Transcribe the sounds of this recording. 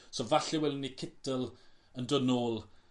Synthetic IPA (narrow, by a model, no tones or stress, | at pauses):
sovaɬɪwɛlɪnːikʰɪtəlˠəndənoːlˠ